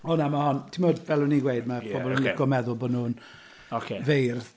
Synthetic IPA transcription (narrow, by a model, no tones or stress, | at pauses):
ɔnamahɔntʰimodvɛlˠʊniɡwejd̚mab̥ɔbɔlˠunɪkɔmɛðʊlˠbɔdnuːn | ɔkʰevejrð